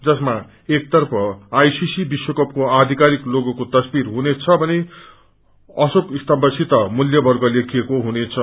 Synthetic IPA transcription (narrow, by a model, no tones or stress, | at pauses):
d͡zʌsma | ek̚t̪ʌrpʰʌajsisibiswʌkʌp̚koad̪ʱikaɾikloɡʌkot̪ʌsbiɾɦunet͡sʰʌbʱʌne | ʌsokist̪ʌmbʌsit̪ʌmuljʌbʌrɡʌlekʰijekoɦunet͡sʰʌ